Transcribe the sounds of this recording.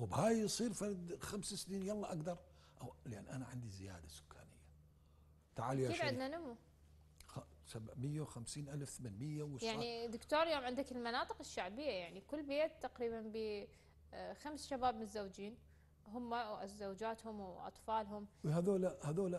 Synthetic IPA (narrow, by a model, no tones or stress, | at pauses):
wbhaːjsˤiːɾfɑɾˤd̪xamsasniːnjɑlˤːɑʔaɡd̪ɑɾˤ | ʔawlʔanːʔanaʕɪ̰nd̪izɪja̰ːd̪asʊ̥kʰːa̰ːnɪjːa | t̪aʕaljaeːfʕɪd̪nanʊmːu | xasabʕmɪjːawxamsiːnʔalfθamanmɪjːawjaʕnid̪ɪkt̪oːɾjoːmʕɪnd̪akɪlmanɑːt̪ˤɨ̥qɪʃːaʕbɪjːajaʕnikʊlːbeːt̪ːaqɾiːbanbi | xamsʃabaːbmɪnɪzːawd͡ʒiːn | ɦʊmːawʔazawd͡ʒaːt̪hʊmwʔɑ̰t̪ˤfɑːlɦʊmhaðoːlahaðoːla